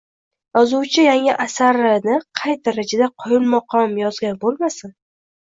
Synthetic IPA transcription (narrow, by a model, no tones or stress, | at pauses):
jɒzuwt͡ʃʰɪjaŋɪʔasaɾɪnɪqʰɑjt̪̚d̪aɾad͡ʒad̪aqʰɒjɪlmɒqʰɒmjɒzɡʲanbolˠmasɪn